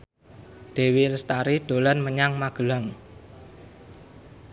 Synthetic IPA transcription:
ɖ̪̥e̤wiləst̪aɾiɖ̪̥o̤lanməɲaŋmaɡ̥ə̤laŋ

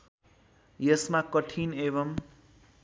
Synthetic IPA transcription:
jʌsmakʌʈʰinebʌm

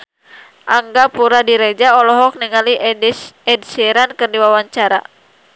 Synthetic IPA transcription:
ʔaŋɡapuɾadiɾɛd͡ʒaɔlɔɦɔk̚niŋali | ɛdsɛɾankɨrdiwawaɲt͡ʃaɾa̰

